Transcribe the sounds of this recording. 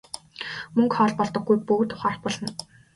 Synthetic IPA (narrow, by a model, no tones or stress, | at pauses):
mɵŋkχɔːɮpɔɮt̪ɞ̆ɡːujpɵɣt̪ʰʊ̥χaːr̥t̪̚pɔɮ̥ɞ̆n